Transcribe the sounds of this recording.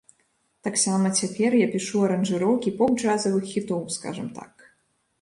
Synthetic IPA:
t̪aksamɐt͡sʲapʲɛrjapʲiʂuɐɾɐnʐɨɾɔwkʲipɔb̚d͡ʐazɐvɨxːʲit̪ɔwska̰ʐɐmt̪a̰k

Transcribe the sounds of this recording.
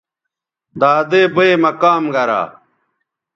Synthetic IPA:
d̪aːd̪eːbeemɐkaːmɡɐɾa̰ː

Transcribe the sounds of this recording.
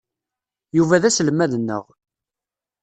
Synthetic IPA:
juvæðæsləmːæðənːə̰ʁ

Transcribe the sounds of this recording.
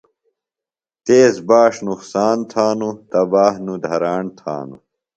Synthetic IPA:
t̪eːsbaːʂnuqsaːnt̪ʰaːnut̪ɐbaːɦnud̪ʱɐɾaːɳt̪ʰa̰ːnṵ

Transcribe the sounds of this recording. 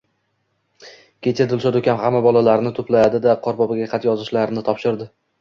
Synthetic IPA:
kʲʰe̞t͡ʃʰad̪ɪlˠsɒd̪ʊkʲʰanhamːabɒlˠalaɾnɪt̪ʰʊplajad̪ɪd̪aqʰɒɾbɒbaɡʲaqʰɑt̪jɒzɪʃlaɾnɪt̪ʰɒpʃɪɾd̪ɪ

